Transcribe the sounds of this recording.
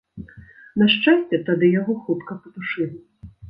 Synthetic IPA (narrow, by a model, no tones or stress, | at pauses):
nɐʂt͡ʂasʲt͡sʲɛt̪ad̪ɨjaɣɔxut̪kɐpɐt̪uʂɨlʲ